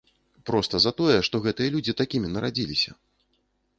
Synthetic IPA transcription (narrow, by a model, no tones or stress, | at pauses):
pɾɔst̪ɐzat̪ɔjɛʂt̪ɔɣɛt̪ɨjɐlʲud͡zʲit̪akʲimʲinɐɾad͡zʲilʲisʲɐ̰